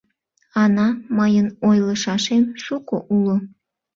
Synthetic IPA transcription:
ɑnɑmɑjənojləʃɑʃemʃukoʔulo

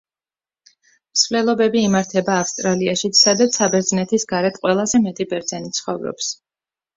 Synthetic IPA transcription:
msvlɛlˠɔbɛbiːmaɾt̪ʰɛbaːfst̪ʼɾaliaʃit̪sʰsad̪at̪sʰabɛɾd̪znɛt̪ʰisɡaɾɛt̪ʰqʼwɛlˠazɛmɛt̪ʼibɛɾd̪zɛnit̪sʰχɔvɾɔ̰ps

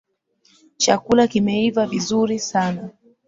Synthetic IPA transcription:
t͡ʃa̰kulakimɛivavizuɾisana

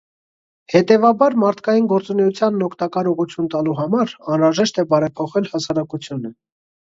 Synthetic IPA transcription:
hɛt̪ɛvɑbɑɾmɑɾt̪ʰkɑjinɡɔɾt͡sunɛjut͡sʰjɑnːɔkʰt̪ɑkɑɾɔʁut͡sʰjunt̪ɑluɦɑmɑɾɑnɾɑʒɛʃt̪ɛbɑɾɛpʰɔχɛlhɑsɑɾɑkut͡sʰjunə

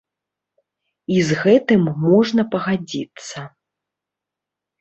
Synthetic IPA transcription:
izɣɛt̪ɨmːɔʐnɐpɐɣad͡zʲit̪sːɐ

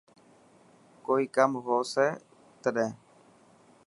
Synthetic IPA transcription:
koikamɦose | t̪ɾe

